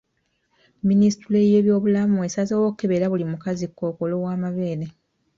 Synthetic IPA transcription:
minisi̥tule̞je̞ːβjo̞ːβulamue̞sazowokukːe̞βeɾaβulimukazikːo̞ːkolo̞waːmaβeːɾe

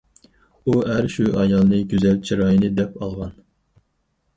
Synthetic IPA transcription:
uɦæɾʃuʔɑjɑlˠnɨɡʲyzɛlt͡ʃʰiɾɑːjinɨd̪ɛpɑlˠʁɑn

